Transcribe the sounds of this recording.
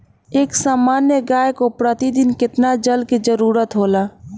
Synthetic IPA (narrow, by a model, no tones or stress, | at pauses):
eːksaːmaːnjəɡaːjkopɾət̪id̪ɪnkɪt̪nad͡ʒəlkid͡ʒəɾuːɾət̪ɦoːlaː